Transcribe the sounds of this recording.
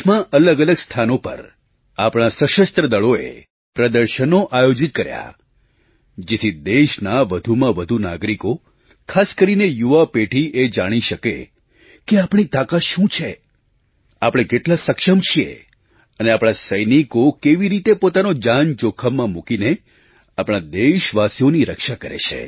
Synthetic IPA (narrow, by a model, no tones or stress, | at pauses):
mãʔələɡələɡst̪ʰanopə̰ɾ | apɽ̃asəʃəst̪ɾəd̪əɭoḛ | pɾəd̪əɾʃənoʔajod͡ʒit̪̚kəɾja̰ | d͡ʒet̪ʰid̪eʃnaʋəd̪ʱumãʋəd̪ʱuna̰ɡɾiko | kʰaskəɾinejuʋapeʈʰiʔed͡ʒaɽ̃iʃəkḛ | keapɽ̃it̪akaʃũt͡ʃʰe | apɽ̃ẽkeʈlasəkʃəmt͡ʃʰiḛ | əneapɽ̃asəjnikokeʋiɾit̪epot̪anod͡ʒant͡ʃokʰəmːãmukine | apɽ̃ad̪eʃʋasijoniɾəkʃakəɾḛt͡ʃʰḛ